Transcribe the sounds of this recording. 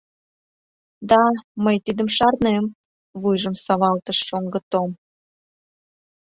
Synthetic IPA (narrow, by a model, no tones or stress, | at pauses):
d̪ɑməjt̪id̪əmʃɑrnem | βujʒəmsɑβɑlt̪əʃːoŋɡə̆t̪om